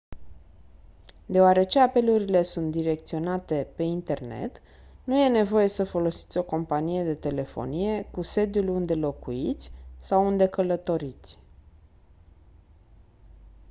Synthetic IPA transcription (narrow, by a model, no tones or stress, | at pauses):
d̪e̞oaɾe̞t͡ʃe̞ape̞luɾile̞sunt̪̚d̪iɾe̞k̚t̪sio̞nat̪e̞pe̞int̪e̞rne̞̰t̪ | nuje̞ne̞vo̞je̞səfo̞lo̞si̥t̪sʲo̞ko̞mpanije̞d̪e̞t̪e̞le̞fo̞̰nije̞kuse̞d̪julund̪e̞lo̞kuit̪sʲsawund̪e̞kələt̪o̞ɾit̪sʲ